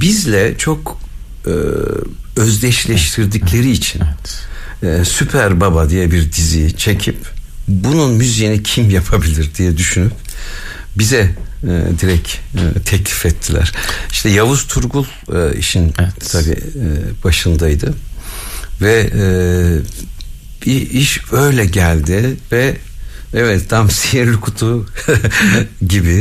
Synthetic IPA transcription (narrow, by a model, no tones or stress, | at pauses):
bizlʲɛt͡ʃʰo̞kː | øzd̪ʲɛʃlʲɛʃt̪ʰiɾd̪iclʲe̞ɾiːt͡ʃʰinː | sypʰæɾbabad̪ijɛbiɾd̪izijt͡ʃʰe̞cʰip | bununmyzijinɛcʰimjapʰabilʲiɾd̪ijɛd̪yʃynyp̚ | bizɛ̰d̪iɾɛcːt̪ʰɛclʲifɛt̪ʰːilʲæ̰ɾ̥iʃt̪ʰɛjavuz̥t̪ʰuɾɡulˠḭʃint̪ʰabḭb̥aʃɯnd̪ajd̪ɯ | vɛ | biiʃø̞jlʲɛɟælʲd̪ɪvɛ | ɛvɛt̪d̪amsijiɾlʲikʰut̪ʰu | ɟibi